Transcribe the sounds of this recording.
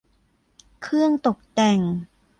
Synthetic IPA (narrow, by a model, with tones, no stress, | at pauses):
kʰɯ˥˩əŋt̪o˨˩k̚t̪ɛ˨˩ŋ